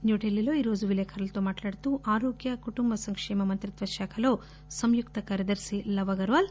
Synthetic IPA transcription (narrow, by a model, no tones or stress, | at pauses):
njoːʈelːiloːiɾoːd͡ʒuʋilɐjkʰɐɾɐlt̪oːmaːʈlaːɽt̪uʔaːɾoːɡjɐkuʈumbɐsɐŋkʂɛːmɐmɐnt̪ɾit̪ʋɐʃaːkʰɐloː | sɐmjukt̪ɐkaːɾjɐd̪ɐɾsilɐʋɐɡɐɾʋaːl